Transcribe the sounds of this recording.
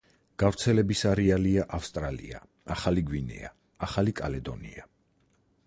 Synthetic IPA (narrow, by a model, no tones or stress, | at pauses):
ɡ̥avɾt̪sʰɛlɛbisaɾialiaʔafst̪ʼɾalḭa̰ | aχaliɡwinɛ̰a | aχalikʼalɛd̪ɔnḭa